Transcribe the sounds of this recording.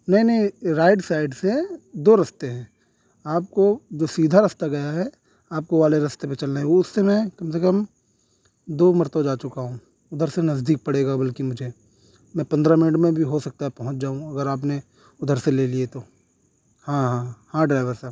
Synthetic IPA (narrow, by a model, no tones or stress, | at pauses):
nɐɦĩnɐĩɾaːɪɖsaːɪɖsed̪oːɾɐst̪eɦɛ̃ː | aːp̚kod͡ʒoːsiːd̪ʱaɾɐst̪aɡɐjaɦɛ | aːp̚koʋaːleɾɐst̪ep̬et͡ʃɐlnaɦɛoʊsːemɛ̃kɐmsekəm | d̪oːmɐɾt̪õd͡ʒaːt͡ʃʊkaɦũ | ʊd̪ʱəɾsenɐzd̪iːk̚pɐɽeːɡabɐlkimʊd͡ʒʱe | mɛ̃pɐ̃nd̪ɾamɪnəʈmẽbʱiɦosɐk̚t̪aɦɛpɐɦʊ̃t͡ʃd͡ʒaːũɐɡəɾaːpne | ʊd̪ʱəɾseleːliet̪o | hãːɦãːhãːɖɾaːɪʋəɾsa